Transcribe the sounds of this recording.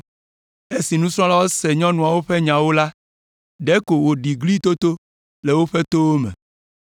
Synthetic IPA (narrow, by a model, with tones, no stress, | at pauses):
e˦si˨nũ˦sɾ̃ɔ̃˦la˦wo˦sɛ˨ɲɔ̃˦nũ˨a˨wo˦ɸe˦ɲã˨wo˦la˦ | ɖɛ˦ko˨wo˨ɖi˨ɡli˦t̪o˦t̪o˦ | le˨wo˦ɸe˦t̪o˦wo˦mḛ̃˨